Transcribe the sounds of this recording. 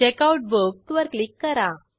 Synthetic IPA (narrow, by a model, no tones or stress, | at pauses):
t͡ɕekauʈ̚bok̚t̪uʋəɾklikːəɾa